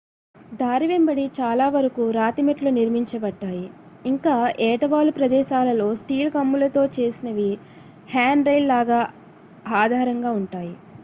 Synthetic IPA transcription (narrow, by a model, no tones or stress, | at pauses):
d̪ʱaːɾiʋembɐɽit͡ʃaːlaːʋɐɾɐkuɾaːt̪imeʈloːniɾmiɲt͡ʃɐbɐʈːaːji | iŋkaːʔɛːʈɐʋaːlupɾɐd̪ɛːʃaːlɐlo̞ːsʈiːlkɐmːulɐt̪o̞ːt͡ʃe̞ːsinɐʋi | haːnɖɾɐjllaːɡaː | aːd̪ʱaːɾɐŋɡaːuɳʈaːji